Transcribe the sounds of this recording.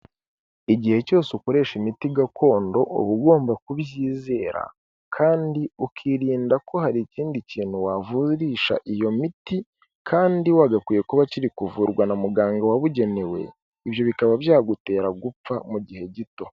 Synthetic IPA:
iɟihe̞co̞ːseuko̞ɾe̞ːʃimitiɡakʰo̞ːndo̞ʔṵβuɡo̞ːmbakuβjiːze̞ːɾa̰ | kʰaːndiukʰiɾiːndako̞ɦaɾiciːndiciːn̥huwavuɾiːʃa̰ʔijo̞miti | kʰaːndiwaːɡakwiːje̞kuβaciɾikuvuɾɡwanamuɡaːŋɡawaβuɟe̞ne̞we̞̰ | iβjo̞βikaβabjaːɡute̞ːɾaɡup͡famuɟihe̞ɟito̞

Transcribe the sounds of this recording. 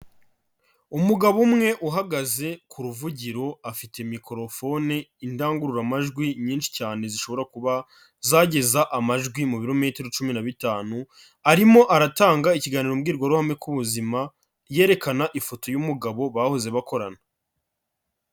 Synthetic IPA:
umuɡaβumŋe̞ʔuɦaɡaze̞kuɾuvuɟiɾo̞afite̞miko̞ɾo̞fo̞niindaːŋɡuɾuɾamaʒɡwiɲiːnʃi̥caːne̞ziʃo̞βo̞ɾakuβa | zaɟe̞zaʔamaʒɡwimuβiɾo̞me̞ːteɾot͡ʃuminaβitaːnu | aɾimo̞ʔaɾataːŋɡaiciɡaːniɾomɡiːɾɡwaɾuhamŋe̞kuβuzima | je̞ːɾe̞kanaʔifo̞to̞jumuɡaβo̞βaːhoze̞βako̞ɾana

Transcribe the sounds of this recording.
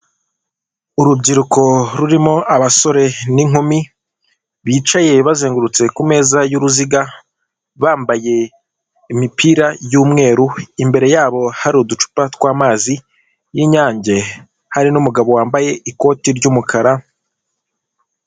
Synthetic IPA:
uɾubɟiɾuko̞ɾuɾimo̞aβaso̞ɾe̞niŋumi | βiːt͡ʃaje̞βazeːŋɡuɾut͡se̞kume̞ːzajuɾuziɡa | βaːmbaje̞ | imipiːɾajuːmŋe̞ːɾuimbe̞ɾe̞jaːβo̞haɾiudut͡ʃu̥patkwaːmaːzi | jiɲaːɲɟe̞ | haɾinumuɡaβo̞waːmbaje̞iko̞ːtiɾɟumukʰaɾa

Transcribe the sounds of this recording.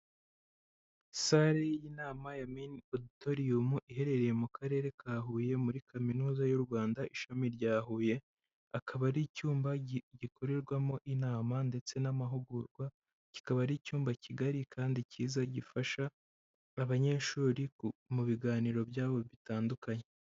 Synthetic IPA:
saɾejinaːmajaminodito̞ɾiumuʔiɦe̞ɾe̞ɾe̞je̞mukʰaɾe̞ːɾe̞kʰaːɦuːje̞muɾikʰaminuːzajuɾɡwaːndaʔiʃamiɾɟaːɦuːje̞ | akʰaβaɾicuːmbaɟikʰo̞ɾe̞ɾɡwamo̞ʔinaːmande̞t͡se̞namaɦuɡuɾɡwa | ci̥kaβaɾicuːmbaciɡaɾikʰaːndiciːzaɟifaʃaː | βaɲe̞ːʃuːɾimuβiɡaːniɾo̞bjaːβo̞βitaːndukaɲe̞

